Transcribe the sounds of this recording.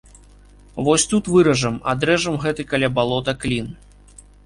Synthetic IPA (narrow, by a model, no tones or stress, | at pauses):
vɔsʲt̪ut̪vɨɾɐʐɐmad̪ɾɛʐɐmɣɛt̪ɨkɐlʲabalˠɔt̪ɐklʲin